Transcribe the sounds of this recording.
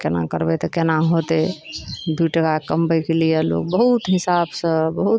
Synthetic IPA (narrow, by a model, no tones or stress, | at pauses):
kena̰kəɾbɛt̪ɔkenaɦot̪ed̪uʈəkakəmbəjkelijelo̰k̚bəɦut̪ɦisabsə̃bəɦut̪